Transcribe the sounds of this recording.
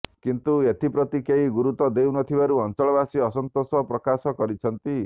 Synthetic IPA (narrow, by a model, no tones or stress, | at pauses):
kint̪uet̪ipɾɔt̪ikeɦiɡuɾut̪ɔd̪ewnɔt̪ʰibaɾuɔnt͡ʃɔɭɔbasiɔsɔnt̪osɔpɾɔkasɔkɔɾit͡ʃʰʌnt̪i